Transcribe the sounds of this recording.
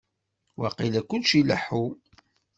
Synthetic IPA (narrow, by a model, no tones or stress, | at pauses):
wɑqilækʷːʊnʃilə̰ħu